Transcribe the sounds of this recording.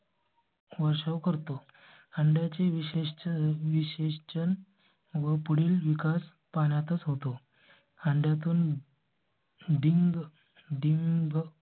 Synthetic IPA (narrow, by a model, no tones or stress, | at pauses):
ʋəɾʂəʋkəɾt̪o | əɳɖjat͡seʋiɕeʋiɕeɕt͡ɕən | ʋəpuɽiːlʋikas | paɳjat̪ət͡sɦot̪o | əɳɖjat̪uːn | ɖiŋɡ | ɖiŋɡ